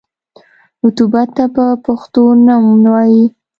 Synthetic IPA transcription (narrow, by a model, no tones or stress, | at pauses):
ʊt̪ubat̪ːapəpaxt̪onamnwɑji